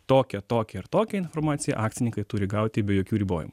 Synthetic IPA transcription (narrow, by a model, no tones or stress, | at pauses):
t̪oːkʲɛt̪oːkʲɛɪɾt̪oːkʲɛɪnfoːɾmɑːt̪sʲɪjɛ̰ʔɑːkt̪sʲɪnʲɪŋkɐɪt̪ʊɾʲɪɡɐʊt̪ʲɪbʲɛjoːkʲuːɾʲiːboːjɪ̰mu